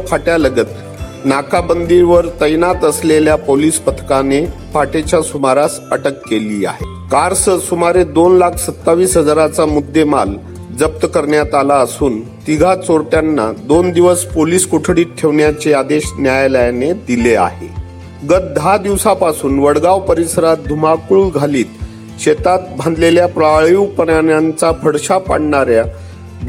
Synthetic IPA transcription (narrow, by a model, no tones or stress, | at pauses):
pʰaʈjaləɡət̪ | nakabənd̪iɾʋəɾt̪əjnat̪əsleljapoliːspət̪ʰkane | fʰaʈet͡ɕjasumaɾasəʈəkːeliːa̰ɦe | kaɾsəsumaɾed̪onlakʰsət̪ːaʋiːsɦəd͡zaɾat͡samud̪ʱːemal | d͡zəp̚t̪əkəɾɳjat̪alaəsuːnt̪iɡʱat͡soɾʈjanːad̪ond̪iʋəspoliːskoʈʰɽiːt̪̚ʈʰeʋɳjat͡sead̪eɕnjajləjaned̪ilea̰ɦe | ɡət̪̚d̪ʱad̪iʋsapasuːnʋəɽɡaʋpəɾisəɾat̪̚d̪ʱumakuːlɡʱaliːt̪ | ɕet̪at̪̚bʱãnd̪leljapɾajuʋpəɾaɳjant͡sapʰəɽɕapa̰ɽɳaɾja | b